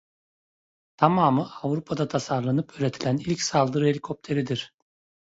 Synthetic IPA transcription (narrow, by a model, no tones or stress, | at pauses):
t̪ʰamaːmɯʔavɾupʰad̪at̪ʰasaɾlˠanɯpʰøːɾʲe̞t̪ʰilʲænilʲcsalˠd̪ɯɾɯhe̞lʲikʰo̞p̚t̪ʰe̞ɾid̪iɾ̥